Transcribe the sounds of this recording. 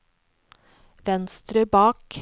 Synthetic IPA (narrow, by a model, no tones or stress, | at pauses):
ʋɛnst̪ɾəbɑːk